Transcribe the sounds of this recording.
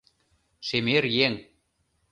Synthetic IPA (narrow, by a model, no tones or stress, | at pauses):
ʃemerjeŋ